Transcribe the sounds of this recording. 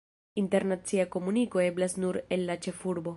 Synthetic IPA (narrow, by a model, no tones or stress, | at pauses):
inte̞ɾnat͡siako̞muniko̞e̞blasnuɾe̞nlat͡ʃe̞fuɾbo̞